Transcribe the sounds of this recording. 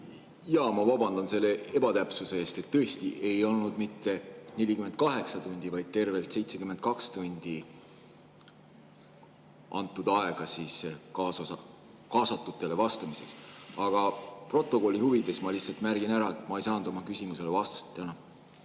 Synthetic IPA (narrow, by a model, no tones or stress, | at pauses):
jɑːmɑvɑbɑnd̪̥ɑnse̞lːe̞e̞bɑt̪æpsuse̞eːst̪e̞t̪ːɤ̞est̪iʔe̞jo̞lnud̪̥mit̪ːe̞ne̞lʲikyme̞nd̪̚kɑɦe̞ksɑt̪unʲd̪̥ivɑjd̪̥̚t̪e̞rve̞lt̪se̞jt̪se̞kymed̪̥̚kɑkst̪unʲd̪̥i | ʔɑ̰nt̪ːˑud̪ɑe̞ɡ̥ɑsiːskɑs | kɑːsɑt̪ːˑut̪ːˑe̞le̞vɑst̪ɑmise̞ksɑɡ̥ɑpro̞t̪ːˑo̞ko̞lːihuvid̪e̞smɑlihtsɑlt̪mærɡ̥inæɾɑe̞t̪mɑejsɑːnud̪o̞mɑkysʲimuse̞levɑst̪ɑ̥st̪ːˑænɑ